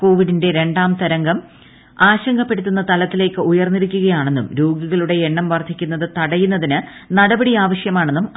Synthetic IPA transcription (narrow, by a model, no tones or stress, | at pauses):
ko̞ːʋiɽinde̞ɾe̞ɳɖaːmt̪ɐɾɐŋɡɐm | aːɕɐŋɡɐpːe̞ɽut̪ːunːɐt̪ɐlɐt̪ːile̞ːkːɨujɐrnːiɾukʲːuɣɐjaːɳe̞nːumɾoːɡiɣɐɭuɽe̞eɳːɐmʋɐrt̪ʰikʲːunːɐðɨt̪ɐɽɐjunːɐðinɨ | nɐɽɐbɐɽiaːʋɐɕjɐmaːɳenːum